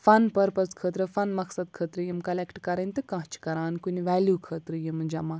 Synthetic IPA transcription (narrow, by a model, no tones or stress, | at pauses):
fɐnpɐɾpɐskʰəːt̪ɾɨfɐnmɐksɐd̪̚kʰəːt̪ɾɨjimkɐlekʈkɐɾɐnʲt̪ɨkãɦt͡ʃʰi̥kɐɾaːnkunʲiʋæːljuːkʰəːt̪ɾɨjimɨd͡ʒɐma